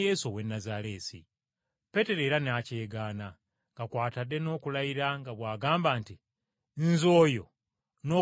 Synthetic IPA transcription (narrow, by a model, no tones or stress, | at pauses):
jeːsowe̞nːazaɾe̞ːsḭ | pe̞te̞ɾe̞ːɾanaːce̞ːɡaːna | ŋɡakwaːtadːe̞no̞ːkulaiɾaŋɡaβwaːɡaːmbaːnti | nzo̞ːjo̞ | no̞ː